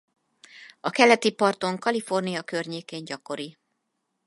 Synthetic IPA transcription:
ɒkɛlɛt̪ipɒrt̪o̞ŋkɒlifo̞rnijɒkø̞rɲeːkeːɲɟɒko̞ɾi

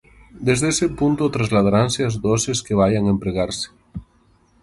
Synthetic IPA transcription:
d̪ezðesepunt̪ot̪ɾazlað̞aɾanseazðɔseskeβ̞ajaŋempɾeɣaɾse̥

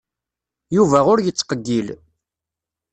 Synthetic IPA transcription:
juvæʁʊɾjət͡sːqəɡːil

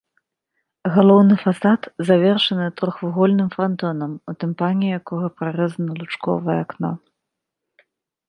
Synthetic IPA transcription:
ɣalˠɔwnɨfasat̪zavʲɛrʂɐnɨt̪ɾɔxvuɣɔlʲnɨmfɾant̪ɔnɐmut̪ɛmpanʲijakɔɣɐpɾaɾɛzɐnɐlˠut͡ʂkɔ̰vɐjɛ̰aknɔ̰

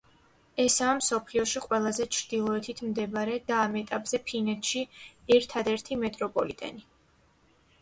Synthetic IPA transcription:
ɛsaːmsɔpʰliɔʃiqʼwɛlˠazɛt͡ʃʰɾd̪̥ilˠɔɛt̪ʰit̪ʰmd̪ɛbaɾɛd̪aːmɛt̪ʼapʼz̥ɛpʰinɛt̪ʰʃiɛɾt̪ʰad̪ɛɾt̪ʰimɛt̪ʼɾɔpʼɔlit̪ʼɛ̰ni

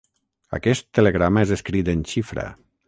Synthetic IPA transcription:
a̰kɛst̪ːəleɣɾamaezeskɾit̪ənʲʃifɾə̰

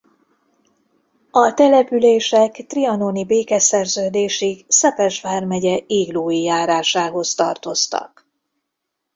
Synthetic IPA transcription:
ɒt̪ɛlɛpyleːʃɛkt̪riɒnonibeːkɛsɛrzøːd̪eːʃiksɛpɛʒʋaːrmɛɟɛeːɡloːjijaːɾaːʃaːɦo̞st̪ɒrt̪o̞st̪ɒ̰k

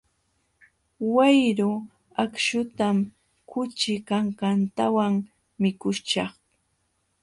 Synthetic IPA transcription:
wajɾʊ | akʃʊt̪am | kʊt͡ʃɪkaɴɢɑnt̪awaŋ | mɪkʊt͡ʃɑχ

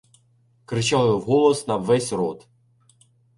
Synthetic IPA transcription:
kɾɪt͡ʃɑw̪wɦɔlˠɔsnɐʋɛsʲɾɔt̪

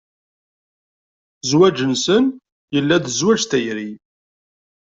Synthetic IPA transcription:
zwæd͡ʒənsən | jəlːæðəzwæd͡ʒθæjɾi

